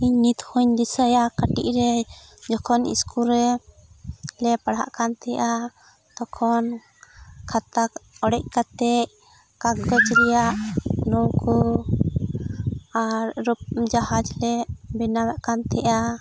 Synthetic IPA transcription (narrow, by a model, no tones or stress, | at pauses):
iɲnit̪huɲd̪isajakaʈiʔ̚ɾɛd͡ʒɔkʰɔnḭskuɾɛ | lɛpaɽa̰ʔkant̪ɛja | t̪ɔkʰɔn | kʰat̪akɔɽɛc̚kat̪ɛʔ | kaɡəd͡ʒɾɛjaʔnɔwkɔ | aɾɾup̚d͡ʒahad͡ʒlɛbɛnawaʔkant̪ɛʔa